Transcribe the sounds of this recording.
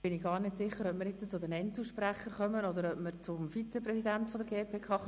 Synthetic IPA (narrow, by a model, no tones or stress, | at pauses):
b̥ɪniɡɑːɾnɪtsɪχːəɾœpmɪɾjɪt͡st͡sʊd̪ɛnɛnt͡sl̩ʃpræχːəɾχœmənɔd̪əɾœpməɾt͡sʊmfit͡sɛprɛsidænt̪fɔdəɾɡeːpʰeːkʰɑːχ